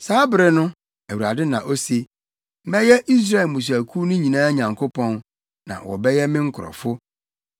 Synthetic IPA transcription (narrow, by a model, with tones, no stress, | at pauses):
saː˨˦bɪ˦ɾɪ˦nʊ̃˦ | æ˨wu˨ɾa˨dɪ˦nã˨ʔo˦se˨˦ | mɛ˦jɛ˦ʔi˦s̬ɾa˦˨e˨lmũ˨s̬u˨æ˨kʰu˦nʊ̃˦ɲĩ˨nãː˦ɲã˨ŋkʰo˦pʰɔ̃˦n | nã̰˨wɔ̰˨bɛ˦jɛ˦mɪ̃˦ŋ̩˦kʰʊ˨ɾɔ̰˨fʊ˦